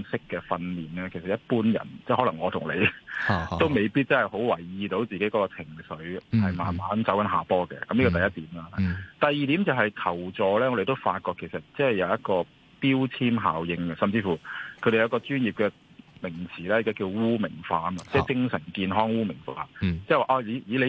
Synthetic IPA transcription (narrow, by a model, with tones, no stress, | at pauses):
nsɪ˥kːɛː˧fɐ˧nliː˨˩nɛː˦˥kʰe˨˩sɐ˨t̚jɐ˥t̚puː˥njɐ̰˨˩nt͡sɛ˥˩hɔ˨˧˥lɐ˨˩ŋːɔː˨˧t̪ʰʊ˨˩ŋle˨˧j | t̪o˥wme˨jpiː˥t̚t͡sɐ˥nhɐ˨jho˨˥wwɐ˨˩jːiː˨t̪o˨˥wt͡siː˨ke˨˥jkɔː˧˥kɔ˧t͡sʰɪ˨˩ŋsɵ˨˥ɥhɐ˨jma̰ː˨nmaː˨˥nt͡sɐ˨˥wkɐ˨˥nɦa̰ː˨pɔː˥kɛ̰˧˨kɐ˨˥mli˥kɔː˧t̪ɐ˨˩jɐ˥t̚t̪iː˨˥mlaː˦˧a˨t̪ɐ˨jiː˨˧t̪i˨˥mt͡sɐ˨wɦɐ˨jk̪ʰɐ˨˩wt͡sɔː˨˧lɛː˥ŋɔ˧ɾe˨jt̪o˥wfaː˧t̚kɔː˧kʰe˨˩sɐ˨t̚t͡sɐ˥nhɐ˨jɐ˧wjɐ˥t̚kɔː˧ | piː˥wt͡sʰiː˥mɦaː˨wjɪ˧ŋɐ˧˩sɐ˨˩mt͡siː˧fuː˨˩kʰɵ˨˧d̪e˨jɐ˧wkɔː˧t͡ʃyː˥njiː˨p̚kɛː˧ | mɪ˨˩ŋt͡sʰiː˨˩lɛː˥ɪ˨kaː˨˥kiː˧wwuː˥mɪ˨˩ŋfaː˧˥ma˧t͡sɛː˥˩t͡sɪ˧˥ŋsœː˨˩nkiː˧nɦɔː˥ŋwuː˥mɪ˨˩ŋfaː˧t͡sɛ˥˩˨waː˨˩ʔaː˧jiː˨˥jiː˨˥le˨˧